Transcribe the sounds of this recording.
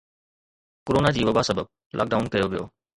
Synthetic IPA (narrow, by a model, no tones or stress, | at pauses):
koɾoːnad͡ʑiːʋɐbasɐbəb̚ | lʔa̰ːk̚ɖaːʊnkɐjoʋijo̰ː